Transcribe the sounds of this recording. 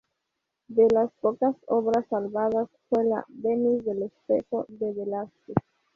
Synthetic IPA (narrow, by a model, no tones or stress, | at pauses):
d̪elaspokasoβɾasalβaðasfwela̰benisðelespexoðeβelaske